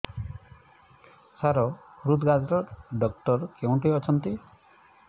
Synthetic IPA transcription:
saɾɔhɾud̪ɡad͡ʒɾɔɖɔk̚ʈɔɾkew̃ʈijɔt͡ʃʰɔnt̪i

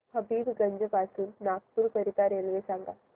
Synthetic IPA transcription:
həbiːd̪ɡəɲd͡ʒəpasuːnːaːk̚puɾkəɾit̪aɾelʋesãŋɡa̰

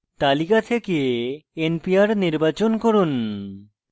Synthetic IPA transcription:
t̪alikat̪ʰekeenpiaɾniɾbat͡ɕonkoɾun

